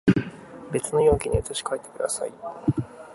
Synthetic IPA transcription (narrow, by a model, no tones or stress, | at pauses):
be̞t͡sɨno̞jo̞ːkʲiɲ̟iot̪oɕi̥kaet̪ːe̥kɯ̟d̪a̰sa̰i